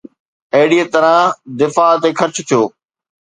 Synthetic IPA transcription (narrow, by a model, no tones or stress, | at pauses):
eɦɪɽiet̪əɾãːd̪ɪfaːt̪eːkʰɐɾt͡ɕʰt̪ʰijoː